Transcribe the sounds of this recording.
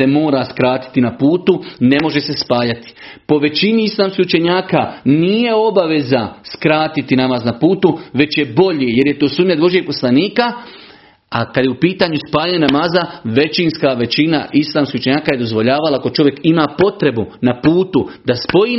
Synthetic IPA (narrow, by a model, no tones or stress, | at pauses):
emo̞ːɾaskɾaːt̪i̥t̪inapuːt̪une̞mo̞ʒe̞se̞spaːjat̪i̥po̞ʋe̞t͡ʃiniislˠaːmskihut͡ʃe̞ɲaːkanije̞o̞baʋe̞zaskɾaːt̪it̪inamaːznapuːt̪uʋe̞t͡ʃje̞bo̞ʎije̞ɾje̞t̪oːsuːmɲed̪ʋo̞ʒiepo̞slaniːka | akad̪jeupiːt̪aːɲuspaːɲanamaːzaʋe̞t͡ʃinskaʋe̞t͡ʃina̰ʔislˠaːmskihut͡ʃeɲaːkaje̞d̪o̞zʋo̞ʎaːʋalaːko̞t͡ʃo̞ʋje̞kimaːpo̞t̪ɾe̞bunapuːt̪ud̪aspo̞ji